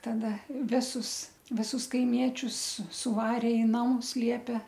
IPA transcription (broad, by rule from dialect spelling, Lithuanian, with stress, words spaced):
tɐˈdɐ ˈʋʲɪsʊs ʋʲɪˈsʊs kɐɪˈmʲiɛt͡ʃʲʊs sʊ sʊˈʋɑːrʲeː ɪ ˈnɑːmʊs ˈlʲiɛpʲɛ